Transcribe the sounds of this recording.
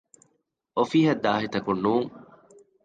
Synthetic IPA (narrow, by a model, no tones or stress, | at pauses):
ʔofiːɦɐd̪ːaːɦit̪ɐkunːuːŋ